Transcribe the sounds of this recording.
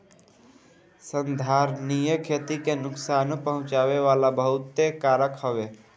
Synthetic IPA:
sənd̪ʱaːɾnijəkʰeːt̪ikenʊksaːnpəɦʊ̃t͡ʃaːʋeʋaːlabəɦʊt̪ːekaːɾəkhəʋeː

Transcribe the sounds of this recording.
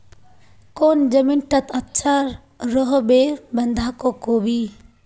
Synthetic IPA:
koːnd͡ʒəminʈət̪ətːʃʰa | ɾɔɦbebənd̪ʱakokoːbi

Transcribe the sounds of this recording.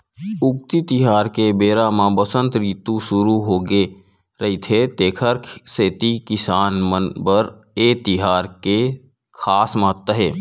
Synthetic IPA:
ʊk̚t̪it̪ɪɦaːɾkebeːɾaːmãbəsə̃nt̪ɾiːt̪ũsʊɾuɦoːɡe | ɾəɦit̪ʰet̪eːkʰəɾkseːt̪ikɪsaːnmənbəɾ | eːt̪ɪɦaːɾke | kʰaːsmaːt̪ːəɦeː

